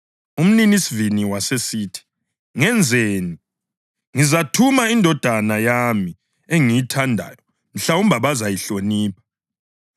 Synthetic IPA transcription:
um̩ninisiviniwasesiːtʰi̥ | ŋɛnd͡zʱeːni | ŋizatʰumaindʱɔd̥ʱanajami | eŋijitʰandʱa̰ːjɔ | m̩ɬaum̩bʱaβazajiɬoniːpʰḁ

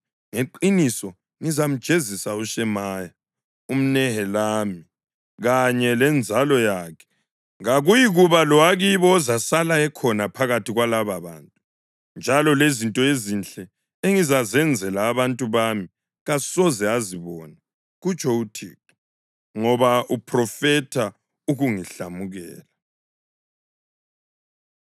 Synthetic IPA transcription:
ŋeǃinisɔ | ŋizam̩d̥ʒ̥ʱezisauʃɛmaja | um̩nɛhɛlaːmi | ɣaɲɛlɛnd͡zʱalɔjaːkʰɛ̥ | ŋaɣujiɣuβalɔwaɣiβɔːzasalaɛkʰɔnapʰaɣatʰiɣwalaβaβa̰ːntʼu | nd͡ʒʱalɔlezintʼɔezint͡ɬʼɛ | eŋizazɛnd͡zʱɛlaːβantʼuβaːmi | ɣasɔzɛaziβɔna | ɣut͡ʃʼɔutʰḭːt̚ʰʼɔ̥ | ŋɔβaʔupʰʼrɔfɛtʰa | uɣuŋiɬamuɣɛːla

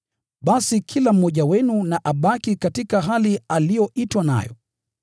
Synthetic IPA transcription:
ɓasikʰilam̩mɔʄawɛnunaʔaɓakikatikaɦalialijɔʔitwana̰jɔ̰

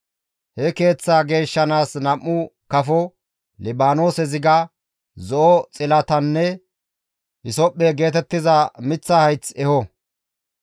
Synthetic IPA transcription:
hɛke̞ːt͡sːaːɡe̞ːʃːɐnaːsnɐmːʊkɐfɔ | lɪbaːno̞ːsɛzɪɡɐ | zɔʔɔt͡sʼɪlɐt̪ɐnːɛ | hɪsɔpʼːeɡe̞ːt̪̬ɛt̪ːɪzɐmɪt͡sːɐhɐjt͡sɛhɔ

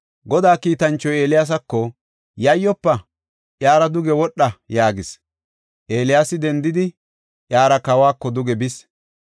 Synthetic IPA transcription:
ɡɔd̪aːkiːt̪ɐnt͡ʃːɔje̞ːlɪjaːs̬ɐkːɔ | jɐjːɔpːɐ | ʔjaːɾɐd̪ʊɡɛwɔɗːɐjaːɡɪs | ʔe̞ːlɪjaːsɪd̪ɛnd̪ɪd̪ɪ | ʔjaːɾɐkɐwaːkːɔd̪ʊɡɛbɪs

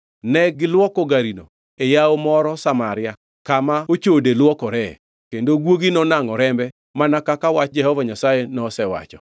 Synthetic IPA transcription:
nɛɡɪlwɔkɔɡaɾino | ejaomɔɾɔsamaɾɪa | kamaot͡ʃodelwɔkɔɾɛ | kendoɡwoɡinɔnaŋɔɾɛmbɛ | manakakawat͡ʃd͡ʒɛhɔvaɲasajenɔsɛwa̰t͡ʃɔ

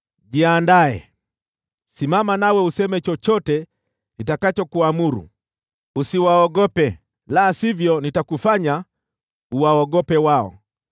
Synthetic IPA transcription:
ʄiandaɛ̰ | simamanawɛusɛmɛt͡ʃɔt͡ʃɔtɛ | nitakat͡ʃɔkuamuɾṵ | usiwaɔɠɔpɛ | laːsivjɔnitakufaɲa | uwaɔɠɔpɛwaɔ̰

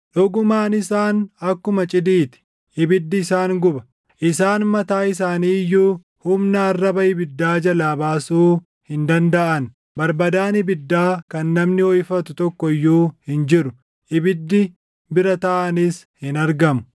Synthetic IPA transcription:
ᶑɔɡʊmaːnɪsaːnɐkːʊmɐt͡ʃʼɪd̪iːt̪ɪ̥ | ʔɪbɪd̪ːɪːsaːŋɡʊbɐ | ʔɪsaːnmɐt̪aːɪs̬aːniːjːuː | hʊmnɐːrːɐbɐɪbɪd̪ːaːd͡ʒɐlaːbaːsuː | hɪnd̪ɐnd̪ɐʔɐn | bɐɾbɐd̪aːnɪbɪd̪ːaːkɐnːɐmnɪɔjfɐt̪ʊt̪ɔkːɔɪjːuːhɪnd͡ʒɪɾʊ | ʔɪbɪd̪ːɪ | bɪɾɐt̪ɐʔɐnɪshɪnɐɾɡɐmʊ̥

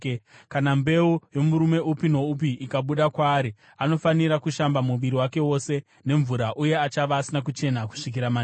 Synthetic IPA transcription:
kanambe̞ujo̞muɾume̞ʔupino̞up̬iːkaɓuɗakwaːɾi | ano̞faniɾakuʃambamuʋiɾiwake̞wo̞se̞ | ne̞ɱvuɾaʔuje̞at͡ʃaʋaːsinakut͡ʃe̞naku̥ʂik̬iɾama

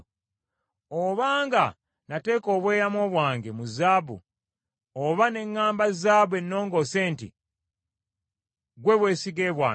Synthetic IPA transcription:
oβaːŋɡa | nate̞ːko̞ːβwe̞ːɾamo̞ːβwaːŋɡemuzaːbṵ | oβane̞ŋːaːmbazaːbwe̞nːo̞ːŋɡo̞se̞ːntḭ | ɡwe̞βwe̞ːsiɡe̞ːβwaː

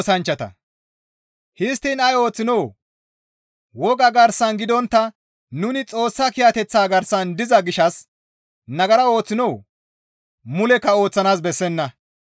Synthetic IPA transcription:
sɐnt͡ʃːɐt̪ɐ̰ | hɪst̪ːiːnɐjo̞ːt͡sːɪnoː | wɔɡɐɡɐɾsɐnɡɪd̪ɔnt̪ːɐ | nʊnɪt͡sʼo̞ːsːɐkɪjat̪ɛt͡sːaːɡɐɾsɐnd̪ɪzɐɡɪʃɐs | nɐɡɐɾɐo̞ːt͡sːɪnoː | mʊlɛkːɐo̞ːt͡sːɐnaːs̬bɛsːɛnːɐ

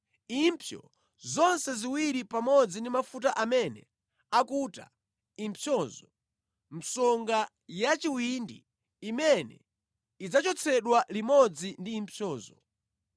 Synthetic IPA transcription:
impʰjɔ̰ | zɔnsɛziwiɾipamɔd͡zindimafut̬aʔamɛnɛ | akuta̰ | impʰjɔzɔ | m̩sɔŋɡa | jat͡ʃiwindḭː | mɛnɛ̰ | id͡zat͡ʃɔt͡sʰɛɗwalimɔd͡zindiːmpʰjɔːzɔ

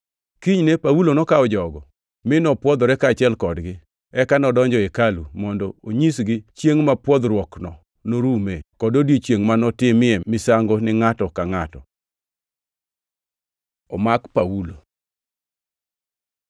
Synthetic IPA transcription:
kiɲnepawulonɔkaɔd͡ʒɔɡɔ | mɪnɔpwɔd̪ɔɾɛkaːt͡ʃɪɛlkɔdɡɪ | ɛkanɔdɔɲd͡ʒɔekalumɔndɔoɲisɡɪt͡ʃjeŋmapwɔd̪ɾwɔknɔ | noɾumekɔdodjet͡ʃjeŋmanɔtɪmɪɛmɪsaŋɡonɪŋatɔkaŋatɔ | ɔmakpawulo

